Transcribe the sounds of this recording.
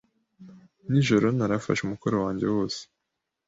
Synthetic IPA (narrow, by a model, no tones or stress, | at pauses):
niʒo̞ɾo̞naɾafa̰ʃumukoɾowaːɲɟe̞wo̞ːse̥